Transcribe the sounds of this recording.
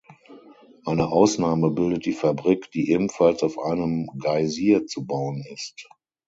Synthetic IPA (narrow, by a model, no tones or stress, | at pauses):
ʔaɪnəʔaʊsnaːməbɪldət̚d̥iːfabʁiːkd̥iːʔeːbm̩falsaʊfʔa̰ɪnəmɡaɪziːɐt͡subaʊənɪst